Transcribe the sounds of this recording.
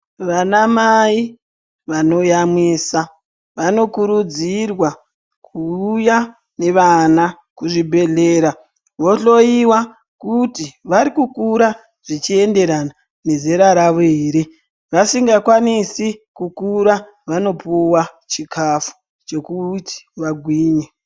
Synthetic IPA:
ʋanamai | ʋano̞jamweːsa | ʋano̞kuɾud͡zirwa | kʰuːja | ne̞ʋana | kuʐibʱe̞ɮeːɾa | ʋo̞ɬo̞iwa | kutiʋaɾikukuɾa | ʐ̥it͡ʃie̞nde̞ɾana | ne̞ze̞ɾaɾaʋo̞iːɾi | ʋasiŋɡakwanisikukuɾa | ʋano̞puwat͡ʃikafu̥ | t͡ʃe̞kuti̥ʋaɡʱwiːɲe

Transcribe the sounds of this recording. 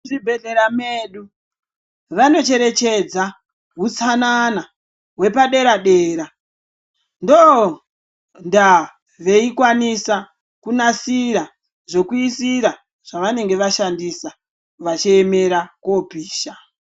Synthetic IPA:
ʐibʱe̞ɮe̞ɾameɗu | ʋano̞t͡ʃe̞ɾe̞t͡ʃe̞d͡za | ɦut͡sanana | ɦwe̞paɗe̞ɾaɗeːɾa | ndo | nda | ʋe̞ikwanisa | kunasiɾa | ʐo̞kuisiɾa | ʐ̥aʋane̞ŋɡe̞ʋaʃandisa | ʋat͡ʃieme̞ɾakopiːʃa

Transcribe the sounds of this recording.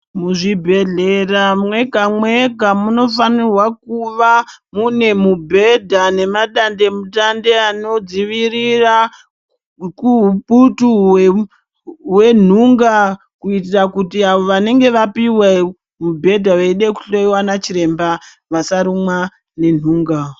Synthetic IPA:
muʐibʱe̞ɮeramwe̞ɡʱamweɡʱamuno̞fanirwakuʋamune̞mubʱe̞dʱane̞maɗande̞mutande̞ano̞d͡ziʋirira | kuuputu | we̞n̤uŋɡa | kuitirakutiaʋo̞ʋane̞ŋɡe̞ʋapiwe | mubʱe̞dʱaʋeiɗeku̥ɬoiwanat͡ʃiɾe̞mba | ʋasaɾumwa | ne̞n̤uːŋɡa

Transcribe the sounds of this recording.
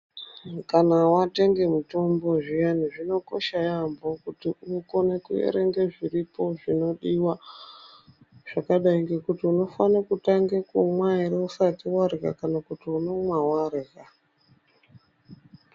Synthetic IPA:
kanawate̞ŋɡe̞muto̞mbo̞ʐijaniʐino̞ko̞̰ʃajambo̞kutiuko̞nekujḛɾe̞ŋɡeʐiripo̞ʐino̞ɗiwa | ʐ̥akaɗaiŋɡe̞kutiuno̞fanakutaŋɡekumwaeɾeusatiwaɾka̰kanakutiuno̞mwawarika

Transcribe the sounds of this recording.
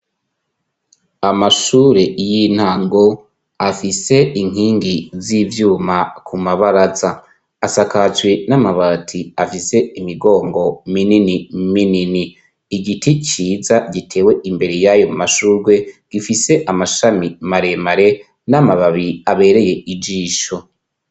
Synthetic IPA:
amaʃuːɾe̞jin̥haːŋɡo̞ | afise̞iŋ̥ɦiːŋɡizivjuːmakʰumaβaɾazaː | sakat͡ʃwe̞namaβatʰiafise̞imiɡo̞ːŋɡo̞mininimininiː | ɡitit͡ʃiːzaɡitʰe̞ːwe̞ʔimbe̞ɾe̞jajo̞maʃuːɾɡwe̞ɡ̥ifise̞ʔamaʃamimaɾe̞maɾe̞ | namaβaβiaβe̞ɾe̞je̞id͡ʒiːʃo

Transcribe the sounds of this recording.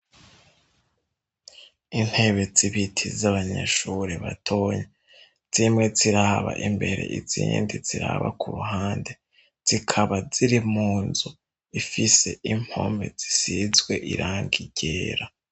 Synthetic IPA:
in̥he̞βe̞ziβitʰizaβaɲa̰ʃuɾeβatʰo̞ːɲe | z̥imŋe̞ziɾahaβa̰ʔimbe̞ɾe̞̰ʔiz̥ḭːndiz̥iɾa̰βa̰kʰuɾuɦaːnde̞ | z̥ikʰaβaziɾimuːnzu | ifise̞ʔim̥ho̞̰me̞̰z̥isizɡwe̞ʔḭɾʔaːŋɡiɟ̥eːɾa

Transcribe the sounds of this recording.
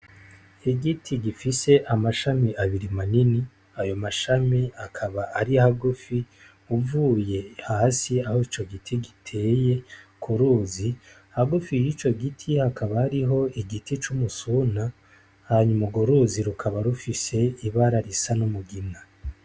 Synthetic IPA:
iɡitʰiɡifise̞ʔamaʃamiʔaβiɾimanini | ajo̞maʃamiakʰaβaʔaɾiaɦaɡufi | uvuːje̞hahasiahoit͡ʃo̞ɡitʰiɡitʰe̞ːje̞kʰuɾuːzi | haɡufijit͡ʃo̞ɡitʰihakaβahaɾiɦo̞iɡitit͡ʃumusuna | haɲumuɡoɾuziɾukʰaβaɾufise̞iβaɾaɾisanumuɡina

